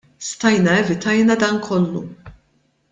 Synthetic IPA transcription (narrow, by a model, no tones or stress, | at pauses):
st̪ɐjnɐɛvɪt̪ɐjnɐd̪ɐnkʰɔlːṵ